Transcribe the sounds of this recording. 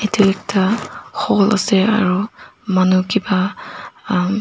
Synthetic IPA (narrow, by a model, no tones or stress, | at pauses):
itʰɛlɛk̚tʰaxɔlʔa̰sɛa̰ɹumanukiba